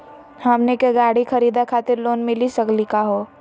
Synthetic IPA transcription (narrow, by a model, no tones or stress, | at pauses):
hɐmnekeɡaːɽixɐɾiːd̪akʰaːt̪ɪɾloːnmɪlisɐɡlikaɦoː